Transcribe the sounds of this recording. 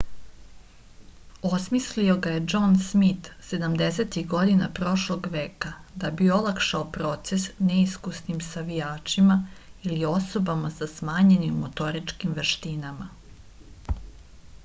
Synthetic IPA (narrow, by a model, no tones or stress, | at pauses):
o̞smislio̞ɡaje̞d͡ʒo̞nsmit̪se̞d̪amd̪ese̞t̪iɣɡo̞d̪inapɾo̞ʃloɡʋeːkad̪abio̞lˠakʃaopɾo̞t̪se̞sneiskusnimsaʋijaːt͡ʃimailio̞so̞bamasasmaːɲe̞nimːot̪o̞ɾit͡ʂkimʋeʃt̪inama̰